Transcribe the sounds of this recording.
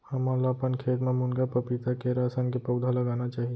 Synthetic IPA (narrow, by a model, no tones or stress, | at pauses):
həmalaəpənkʰet̪memuŋɡapəpit̪akeɾasankepəwd̪ʱaləɡanat͡ʃaɦi